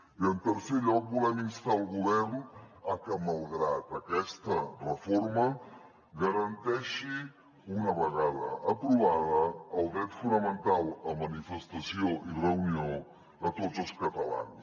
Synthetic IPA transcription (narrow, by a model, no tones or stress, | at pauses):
iənt̪əɾseʎɔpulɛmist̪alˠɣuβɛɾnakəmalˠɣɾat̪akɛst̪ɐrefoɾmɐ | ɡaɾant̪ɛʃi | unɐβəɣaðɐ̰ʔːpɾuβaðɐːlˠd̪ɾɛt̪funamẽnt̪alˠamanifest̪asjoʔireunjo | at̪odzoskat̪ala̰ns